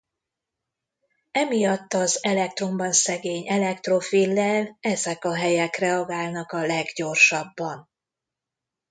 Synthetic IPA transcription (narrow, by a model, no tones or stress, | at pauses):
ɛmijɒt̪ːɒzɛlɛk̚t̪ro̞mbɒnsɛɡeːɲɛlɛkt̪ro̞filːɛlɛzɛkɒɦɛjɛkrɛɒɡaːlnɒkɒlɛɡɟo̞rʃɒbːɒn